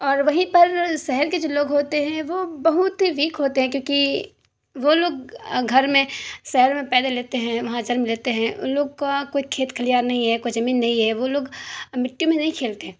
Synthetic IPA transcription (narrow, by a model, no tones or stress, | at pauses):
ɔːɾʋɐɦĩpɐɾsɛɦəɾked͡ʒoːloːɡɦoːt̪eɦɛ̃ʋoːbɐɦʊt̪ɦiʋiːkɦoːt̪eɦɛ̃kjõːki | ʋoloːɡɡʱɐɾmẽsɛɦəɾmẽpɛːd̪aleːt̪eɦɛ̃ʋɐɦãd͡ʒɐɾmleːt̪eɦɛ̃ʔnloːɡkakoːikʰeːt̪kʰəlijaːɾnɐɦĩɦɛkoːid͡ʒɐmiːnːɐɦĩɦɛːʋoloːɡmɪʈːjõmẽnɐɦĩkʰeːlt̪eɦɛ̃ː